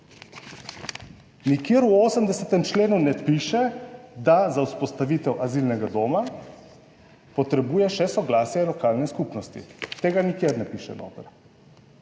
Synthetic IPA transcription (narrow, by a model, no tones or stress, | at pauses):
nikjeːɾuoːsəmd̪ɛsɛt̪ɛmt͡ʃleːnunɛpiʃɛd̪azawspɔst̪aʋiːt̪ɛwʔazilnɛɡad̪oːma | pɔt̪ɾɛbuːjɛʃɛsɔɡlaːsjɛlɔkaːlnɛskupnɔst̪ḭt̪eːɡanikjeɾnɛpiʃɛ̰no̰ːt̪əɾ